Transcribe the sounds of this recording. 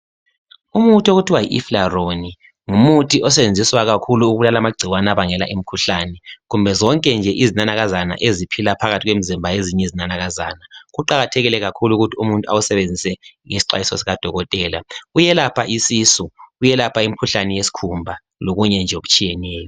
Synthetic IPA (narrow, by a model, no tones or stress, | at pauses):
umutʰioɣutʰiwajḭʔḭflaroni | ŋumutʰiʔɔs̬ɛβend͡zʱiswaɣakʰuluːɣulalamaɡ͡ǀʱiwanaβaŋɛla̰ʔim̩kʰuɬanɛɣumbʱɛzɔŋkʼɛnd͡ʒʱɛʔizinanaɣazana̰ʔezipʰilapʰaɣatʰiɣwemizimbʱajeziɲɛizinanaɣazaːnaɣuǃaɣatʰɛɣilɛɣakʰuluɣutʰiumuntʼua̰wusɛβend͡zʱisɛŋesi̥ǃa̰jisɔ̰siɣad̥ʱɔɣɔtʼɛːla̰ujɛlapʰaʔisisuujɛlapʰaim̩ikʰuɬanɛjesi̥kʰumbʱa | loɣuɲɛnd͡ʒʱɛoɣut͡ʃʼijɛnɛːjɔ